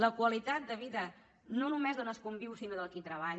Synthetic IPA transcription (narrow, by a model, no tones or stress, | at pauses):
ləkwəlit̪at̪̚d̪əβiðə | nonumezðonəskumbiwsinoðəlˠkit̪ɾəβ̞aʎ